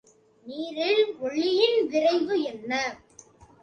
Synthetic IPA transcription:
niːɾɪlɔɭːɪjɪnʋɪrɐɪʋɯɛnːɐ

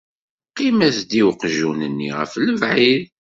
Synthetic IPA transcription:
qːimæsd̪iwqʒunənːḭʁə̰fləvʕið

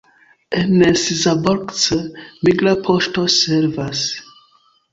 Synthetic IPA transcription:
enesizaboɾksəmiɡlapʰoʃtoseɾvas

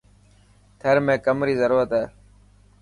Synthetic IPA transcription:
t̪ʰəɾmẽːkəmɾiːzəɾuːɾət̪ɦɛː

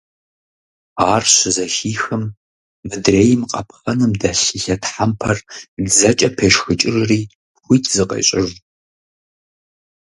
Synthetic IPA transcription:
aːrɕɪzɐxiːxɨmː | ɨdreːjɪmqʼɐp̚ʰxɐnɨmdɐɬɨɬɐtʰħampʰɐrd͡zɐt͡ʃʼɐpʰeːʂxɨt͡ʃʼɪrɨriː | xʷiːtʰzɨqɐ̰ɕʼɪʒ

